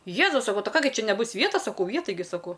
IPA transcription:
ˈjeːzʊs sɐˈkɐʊ ˈtɐɪ ˈkɑː ɡʲɪ ˈt͡ʃʲɛ nʲɛˈbʊs ˈʋʲiɛtɐs sɐˈkɐʊ ˈjɛ tɐɪˈɡʲɪ sɐˈkɐʊ

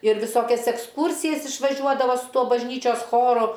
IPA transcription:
ɪr ʋʲɪˈsoːkʲɛs ɛksˈkuːrʲsʲɪjɛs ɪʃʋɐˈʒʲuɔdɐʋoː sʊ ˈtuɔ bɐʒʲˈnʲiːt͡ʃʲoːs ˈxoːrʊ

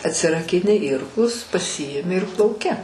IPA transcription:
ɐtʲsʲɪrɐkʲɪˈnʲɪ ˈɪrklˠʊs pɐˈsʲɪɪmʲɪ ɪr plˠɐʊˈkʲɪ

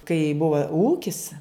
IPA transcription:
kɐɪ ˈbʊʋɐ ˈuːkʲɪs

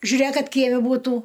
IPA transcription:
ʒʲʊˈrʲeːk ˈkɐt ˈkʲiɛmʲɛ buːˈtuː

